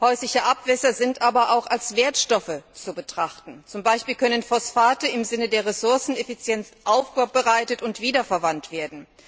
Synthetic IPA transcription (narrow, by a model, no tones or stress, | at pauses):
hɔʏslɪçəʔapv̥ɛsɐzɪntʔaːbɐʔaʊxalsv̥eːɐtʃtɔfət͡subətʁ̥aχtn̩t͡sʊmbaɪʃpiːlkœnənfɔsfaːtəɪmzɪnədeːɐʁɛsʊɐsn̩ɛfit͡sjɛnsʔaʊfɡ̥oːɐbəʁaɪtətʊntv̥iːdɐfɛɐvantv̥eːɐdn̩